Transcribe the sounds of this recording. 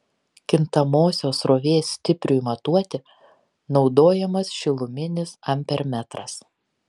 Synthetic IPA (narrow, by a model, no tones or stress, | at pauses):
kʲɪnt̪ɐmoːsʲoːsɾoːʋʲeːsːʲt̪ʲɪpʲɾʲʊimɐt̪uɔt̪ʲɪ | nɒʊd̪oːjɛmɐsʃʲɪlˠʊmʲɪnʲɪsɐmʲpʲɛɾmʲæt̪ɾɐ̰s